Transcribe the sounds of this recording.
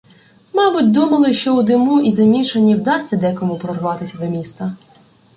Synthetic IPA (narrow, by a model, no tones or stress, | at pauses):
mɑbʊtʲd̪umɐlˠɪʃt͡ʃɔud̪ɪmuʔizɐmʲiʃɐnʲːiwd̪ɑsʲtʲːɐd̪ɛkɔmupɾɔrʋɑt̪ɪsʲɐd̪ɔmʲist̪ɐ